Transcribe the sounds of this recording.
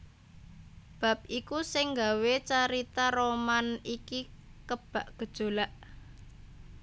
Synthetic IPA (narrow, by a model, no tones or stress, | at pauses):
b̥a̤p̚ikusɪŋɡawet͡ʃaɾit̪aɾomanikikəb̥a̤ʔɡ̥ə̤d̥ʒ̥o̤laʔ